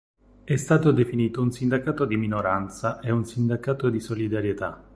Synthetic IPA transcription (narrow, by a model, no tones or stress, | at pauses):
ɛst̪aːt̪od̪efiniːt̪ounsind̪akaːt̪od̪iminoɾant̪saʔeunsind̪akaːt̪od̪isolid̪aɾjet̪a